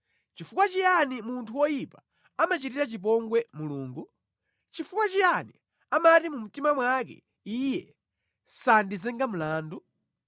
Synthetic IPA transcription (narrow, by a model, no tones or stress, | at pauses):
t͡ʃifukwat͡ʃijanimuntʰuwɔjipaː | mat͡ʃitiɾat͡ʃip̬ɔŋɡwɛmuluːŋɡu | t͡ʃifukwat͡ʃijanḭ | amatimum̩timamwakɛ̰ | ijɛ | sandizɛŋɡamulaːndu